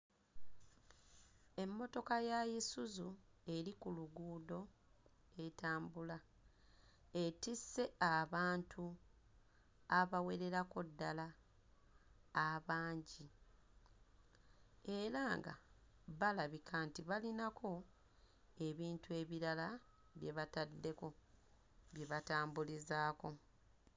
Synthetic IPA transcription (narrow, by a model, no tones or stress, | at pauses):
e̞mːo̞to̞kajajisuzue̞ɾikuluɡuːdo̞ | e̞taːmbula | etisːe̞aβaːntʰu | aβawe̞ɾe̞ɾako̞dːala | βaːɲɟi | e̞ɾaŋɡa̰ | βalaβikʰantiβalinakʰo̞ | e̞βiːntue̞βiɾala | βje̞βatadːe̞ko̞ | βje̞βataːmbulizaːko̞